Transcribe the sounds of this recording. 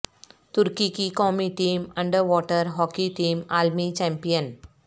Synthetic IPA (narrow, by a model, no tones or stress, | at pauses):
t̪ʊɾkikikɔːmiʈiːmɐ̃ɳɖəɾʋɔːʈəɾɦɔːkiʈiːmaːlmit͡ʃɛ̃ːmpijən